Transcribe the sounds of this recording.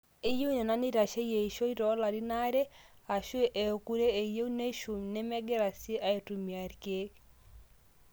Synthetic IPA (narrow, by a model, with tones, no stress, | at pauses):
i˦jo˦ne˨na˦ni˦ɾa˨ʃe˦je˨ʃo˦i˦ɾɔ˨˦la˨ɾi˦na˦ɾe˦ | a˨ʃwe˦ʔe˨o˨ku˦ɾe˦e˨je˦u˦ne˦ʃu˨mnɛ˦mɛ˦ɡɛ˦ɾa˨si˦ʔa˦e˨tu˨mi˨a˨ɾke˦k